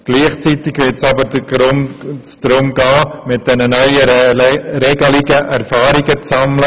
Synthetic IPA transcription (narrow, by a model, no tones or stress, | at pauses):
ɡ̥liːχt͡sitɪɡʋɪtsɑbə | sd̥ɾʊmɡɑːmɪt̚d̥ɛnənœʏə | ɾɛɡəlɪɡəʔæɾfɑːɾiɡət͡sɑmlə